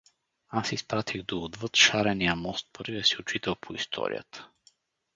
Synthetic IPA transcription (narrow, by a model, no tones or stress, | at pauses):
asispɾat̪ʰiɣd̪oːd̪vɤt̪ʃaɾɛnijəmɔst̪̚pɤɾvijəsiot͡ʃit̪əwpʰoḭst̪ʰɔ̰ɾḭjə̰t̪ə̥